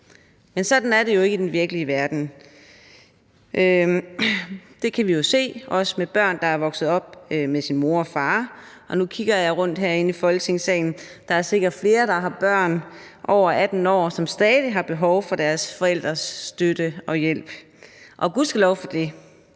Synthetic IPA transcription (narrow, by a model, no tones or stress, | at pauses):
mensɒ̽d̥n̩æɐɾe̝jo̝e̝ɡ̥əd̥enʋiɐɡ̥əliəʋæɐd̥n̩ | ʔø | d̥e̝kʰæʋijo̝se̝̰ːɒ̽səmeb̥ɶɐ̰nd̥ɑ̈æɐʋɒ̽ɡ̥sð̞̩ˠɒ̽b̥̚ømesinmo̝ɐɒ̽fɑ̈ːʔɒ̽nukʰiɡ̥ɐjɑ̈ɪʁɔ̽n̰d̥ɦæɐe̝nifɒ̽lt͡sʰe̝ŋsɛ̰ɪn̩d̥ɑ̈æɐse̝ɡ̥ɐd̥fle̝ːɐd̥ɑ̈ɦɑ̈b̥ɶɐ̰n | ʔɒʊ̰ɐʔæd̥n̩ɒ̰ːsɒ̽msd̥ɛːðˠiɦɑ̈b̥e̝ɦɒʊfɒ̽d̥æɐsfɒ̽el̰d̥ʁɐsːd̥ød̥əɒ̽jel̰b̥ | ʔɒ̽ɡ̥uðˠsɡ̥ælɒʊfɒ̽d̥e̝